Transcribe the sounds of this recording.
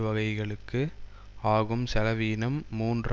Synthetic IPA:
ʋɐɣɐɪɣɐɭɯkːɯ | aːɣɯmsɛlɐʋiːnɐmːuːndr

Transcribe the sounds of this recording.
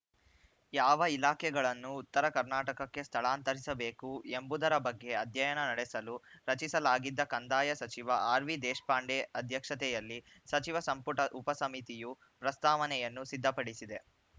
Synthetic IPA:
jaːʋɐilaːkʰɛɡɐɭɐnːuːt̪ːɐɾɐkɐɾnaːʈɐkɐkːe̞st̪ʰɐɭaːnt̪ɐɾisɐbeːkuembud̪ɐɾɐbɐɡːe̞ɐd̪ʱjɐjɐnɐnɐɽɛsɐluɾɐt͡ʃisɐlaːɡid̪ːɐkɐnd̪aːjɐsɐt͡ʃiʋɐʔaːɾʋid̪ɛːʂpaːɳɖeɐd̪ʱjɐkʂɐt̪̬ɛjɐlːi | sɐt͡ʃiʋɐsɐmpuʈɐʔupɐsɐmit̪iju | pɾɐst̪aːʋɐnɛjɐnːusid̪ʱːɐpɐɽisid̪e̞

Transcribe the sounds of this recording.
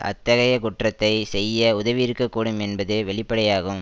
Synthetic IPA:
ʔɐ̰t̪ːɐɣɐjɐkʊʈrɐt̪ːɐɪsɛjːɐʊðɐʋɪɪɾɯkːɐkːuːɽɯmɛnbɐðɯʋɛɭɪpːɐɽɐjaːɣɯm

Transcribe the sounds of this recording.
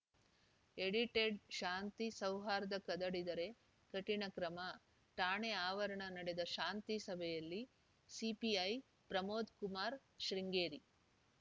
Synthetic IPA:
eɽiʈeɖʃaːnt̪isɐwɦaːɾɐd̪ɐkɐd̪ɐɽid̪ɐɾe̞ | kɐʈiɳɐkɾɐmɐ | ʈaːɳeaːʋɐɾɐɳɐnɐɽed̪ɐʃaːnt̪isɐbʱɛjɐlːi | sipiɐj | pɾɐmoːd̪kumaːɾ | ʃɾiŋɡeːɾi

